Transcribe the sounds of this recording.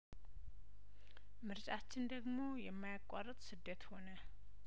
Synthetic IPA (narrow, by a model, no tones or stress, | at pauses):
mɨɾt͡ʃʼat͡ʃːɪnd̪əɡmo̞jɛmːajakʷʼːarət̪ʼsɨd̪ːət̪ho̞nə